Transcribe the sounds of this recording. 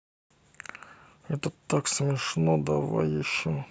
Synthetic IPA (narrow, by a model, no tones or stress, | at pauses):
ɛt̪ət̪ːaksmʲɪʂnod̪ɐva̰jjɪɕːo